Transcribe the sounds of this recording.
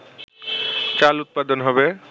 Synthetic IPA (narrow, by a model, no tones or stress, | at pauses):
t͡ɕalut̪̚pad̪onɦɔbe